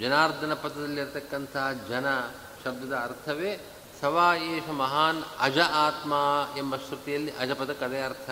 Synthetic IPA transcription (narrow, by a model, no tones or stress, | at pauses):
d͡ʒɐnaːɾd̪ʱɐnɐpɐd̪ɐd̪ɐlːiɾt̪ɐkːɐnt̪ʰɐɦɐd͡ʒɐnɐ | ʃɐb̚d̪ɐd̪ɐːɾt̪ʰɐʋe | sɐʋaːjeːʃɐmɐɦaːnɐd͡ʒɐʔaːt̪maːembɐʃkɾut̪ijɐlːiʔɐd͡ʒɐpɐd̪ɐkɐd̪eɐɾt̪ʰɐ